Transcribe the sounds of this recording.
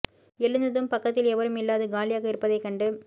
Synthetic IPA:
ɛlɯnd̪ɐðɯmpɐkːɐt̪̬ːɪlɛʋɐɾɯmɪlːaːðɯɡaːlɪjaːɣɐɪɾɯpːɐðɐɪkːɐɳɖɯ

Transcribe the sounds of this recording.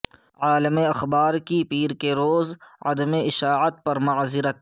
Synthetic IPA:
aːləmeɐxbaːɾkipiːɾkeɾoːzɐ̰d̪əmeɪʃaːʕət̪̚pɐɾmʊʕzɪɾət̪̚

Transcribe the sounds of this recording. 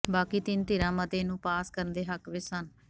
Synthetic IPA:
baːkiːt̪ɪnt̪ɪɾãːmət̪eːnũːpaːskəɾənd̪eːɦəkʋɪsən

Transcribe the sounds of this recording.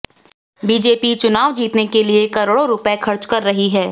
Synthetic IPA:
biːd͡ʒeːpit͡ʃʊnaːʋd͡ʒiːt̪nekeliekɐɾɽoɾʊpexʰɐɾt͡ʃkɐɾːɐɦiɦɛː

